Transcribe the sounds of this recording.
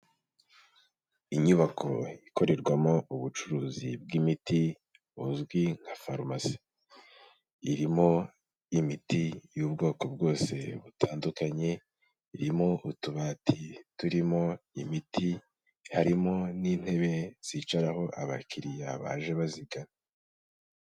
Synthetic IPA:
iɲuβakʰo̞̰iko̞ɾe̞ɾɡwamo̞uβut͡ʃuɾuːzibɡimiti | uzɡwiŋ̥hafaɾmasi̥ | iɾimo̞ | imitijuːbɡo̞ːko̞bɡo̞ːse̞βutʰaːndukaɲe̞ | iɾimo̞ʔutuβaːtʰituɾimo̞imiti | haɾimo̞niːn̥he̞βe̞z̥it͡ʃaɾaho̞ʔaβakiɾijaβa̰ːʒe̞βaziɡana

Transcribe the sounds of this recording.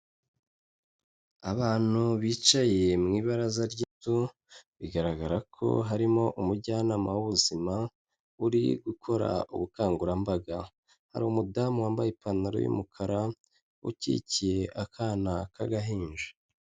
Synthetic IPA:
aβaːn̥huβiːt͡ʃaje̞mŋiːβaɾazaɾɟitu | βiɡaɾaɡaɾakʰo̞̰ɦaɾimo̞ʔumuɟanamawuβuzima | uɾḭɡukʰo̞ɾa̰ṵβukaːŋɡuɾambaɡa | ha̰ɾuːmudamwaːmbajepanaɾo̰jṵmukʰaɾa | ṵcḭːcije̞ʔakʰaːnakʰaɡaɦiːnʒe̥

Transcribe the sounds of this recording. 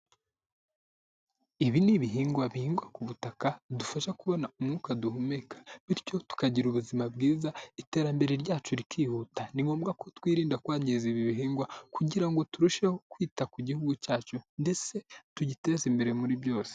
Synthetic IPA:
iβiniβiɦiːŋɡwaβihiːŋɡwakuβutakadufaʃakuβo̞naumŋuːkaduhumekḁβiɾco̞tu̥kaɟiɾuβuzimab̚ɡiːzaite̞ːɾambe̞ɾeɾɟaːt͡ʃuɾikʰiːhuːtaniŋɡo̞ːmbɡako̞twiːɾiːndakwaːɲɟeziβiβiɦiːŋɡwakuɟiɾaŋɡo̞tuɾuʃehokwiːtakuɟihuɡucaːt͡ʃunde̞se̞tuɟite̞ːzimbe̞ɾemuɾibjo̞ːse̥

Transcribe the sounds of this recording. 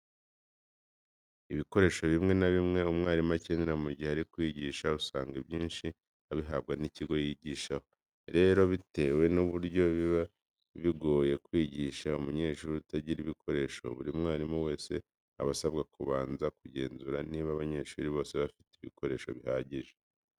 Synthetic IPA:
iβiko̞ɾe̞ːʃo̞βimŋe̞naβimŋe̞umŋaːɾimaceneɾamuɟiheaɾikwiːɟiːʃausaːŋɡabjiːnʃi | aβiɦab̚ɡaniciɡo̞jiɟiːʃaho̞ | ɾe̞ɾo̞βite̞we̞nuβuɾɟo̞βiβa | βiɡo̞ːje̞kwiːɟiʃaumuɲe̞ːʃuːɾutaɟiɾiβikʰo̞ɾe̞ʃo̞̰βuɾiumŋaːɾimuwe̞ːse̞ | a̰βasabɡakuβaːnzakuɟe̞ːnzuɾaniːβaβaɲe̞ʃuɾiβo̞ːseβafi̥teiβḭkʰo̞ɾe̞ːʃo̞̰βihaːɟiʒe̥

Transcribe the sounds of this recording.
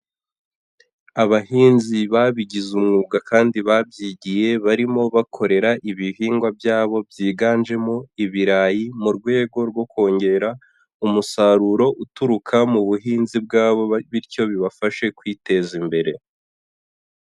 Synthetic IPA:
aβahiːnziβaβiɟizumŋuːɡakaːndiβabjiɟije̞βaɾimo̞βakʰo̞ɾe̞ɾaʔiβiɦiːŋɡwabjaːβo̞bjiːɡaːnʒe̞mo̞iβiɾaːjimuɾɡwe̞ːɡo̞ɾɡwo̞ko̞ːɲɟe̞ɾa | umusaɾuɾo̞ʔutuɾukʰamuβuɦiːnzib̚ɡaːβo̞βiɾco̞βiβafaʃe̞kwiːte̞zimbe̞ɾe̞

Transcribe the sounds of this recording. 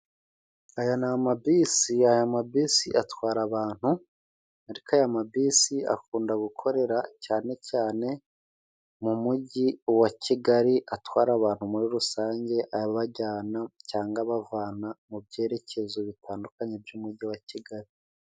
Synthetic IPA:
ajanamabiːsiajamabiːsiʔatwaːɾaβaːn̥hu | aɾikajamabiːsia̰kuːndaɡukʰo̞ɾe̞ɾacaːne̞caːne̞ | mumuɟiwaciɡaɾiʔatwaːɾaβaːn̥humuɾiɾusaːɲɟe̞ʔaaβaɟaːnacaːŋɡaβavaːnamubɟe̞ːɾe̞cʰe̞zoβitʰaːndukaɲe̞bjuːmuɟiwaciɡaɾi

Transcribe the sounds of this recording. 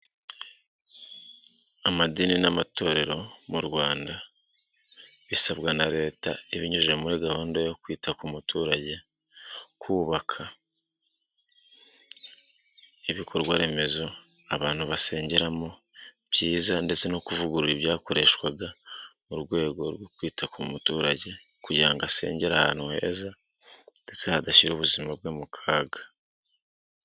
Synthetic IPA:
amadininamato̞ːɾe̞ɾo̞muɾɡwaːnda | βisaβɡanaɾe̞ːta̰iβiɲuʒemuɾiɡahoːndojo̞kwiːtʰakumutʰuːɾaɟe̞ | kuːβakʰa | iβikʰo̞ɾɡwaɾe̞me̞zo̞ | aβaːnhuβase̞ːɲɟe̞ɾamo̞ | b̥ɟiːzande̞t͡se̞no̞kuvuɡuɾuɾiβjaːko̞ɾe̞ːʃwaɡamuɾɡwe̞ːɡo̞ɾwo̞kwiːtʰakumutuːɾaɟe̞ | kuɟɾaŋɡase̞̰ːɲɟe̞ɾaha̰nuhḛːza | nde̞t͡sehadaʃiɾoːβuzimabwomukʰaːɡḁ

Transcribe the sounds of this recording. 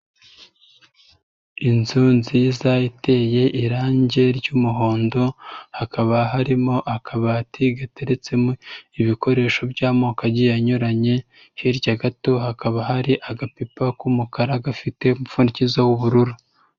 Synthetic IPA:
inzuːnzizajite̞je̞ʔiɾaːɲɟe̞ɾɟuːmuɦo̞ːndo̞hakaβaɦaɾimo̞ʔakʰaβatiɡate̞ɾet͡se̞moiβiko̞ɾe̞ːʃo̞bɟaːmokaɟijaɲoɾaɲe̞ | hiɾɟaɡato̞hakaβaɦaɾiʔaɡapipakumukaɾaɡafite̞umufundicizawuβuɾuɾu

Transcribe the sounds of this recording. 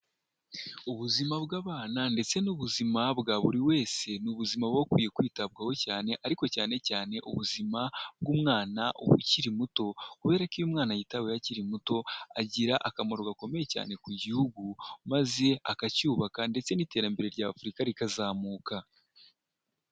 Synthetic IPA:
uβuzimabɡaːβaːnande̞t͡se̞nuβuzimabɡaːβuɾiwe̞ːse̞nuβuzimaβɡo̞kwiːje̞kwiːtab̚ɡawo̞caːne̞ʔaɾiko̞caːne̞caːne̞ʔuβuzimab̚ɡuːmŋaːnaʔṵβṵciɾimuto̞kuβe̞ːɾakijumŋaːnajitawejaciɾimuto̞a̰ɟiɾaʔakamoɾoɡako̞me̞je̞ca̰ːne̞kuɟihuɡumaze̞a̰kacuːβakande̞t͡se̞niːte̞ːɾambe̞ɾe̞ɾɟaːfuɾikaɾikazaːmuːka

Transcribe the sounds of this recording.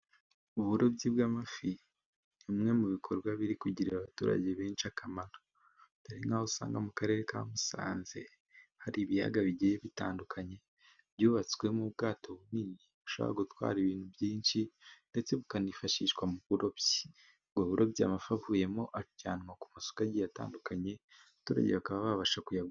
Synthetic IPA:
uβuɾo̞bɟibɡaːmafi | imŋe̞muβikʰo̞ɾɡwaβiɾikuɟiɾiɾaβatuːɾa̰ɟe̞βeːnʃiakʰamano | taɾiŋahousa̰ːŋɡamukaɾe̞ːɾeka̰musa̰ːnze̞ | haɾiβija̰ɡaβiɟijeβita̰ːndukʰaɲe̞ | βjuːβat͡si̥kwe̞muβɡaːto̞βuniniβuʃa̰βa̰ɡotwa̰ːɾiβiːn̥huβjiːnʃinde̞t͡se̞βukanifaʃiʃwamuβuɾobj̥i̥ | ɡoβuɾʔo̞bjamafavuje̞mo̞ʔacaːnŋaku̥maso̥kaɟijata̰ːndukaɲe̞ | atuːɾa̰ɟeβakaβaβaβaʃakujaɡu

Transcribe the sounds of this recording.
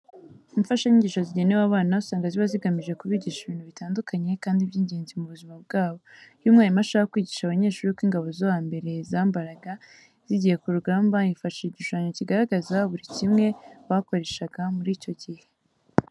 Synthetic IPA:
iɱfaʃaɲiɲɟiːʃoziɟe̞newaβaːnausaːŋɡaziβaziɡamiʒe̞kuβiːɟiʃiβiːn̥huβitaːndukaɲe̞kaːndibjiːɲɟeːnzimuβuzimab̚ɡaːβo̞jumŋaːjimaʃahaakwiːɟiʃaβaɲe̞ːɾʃuuɾuukwiːŋɡaβo̞zowaːmbe̞ɾe̞zaːmbaɾaɡa | z̥iɟije̞kuɾuɡaːmbaiɱfaʃiiɟuʃaːɲociɡaɾaɡazaβuɾicimŋe̞βako̞ɾe̞ʃaɡamuɾiːco̞ɟihe

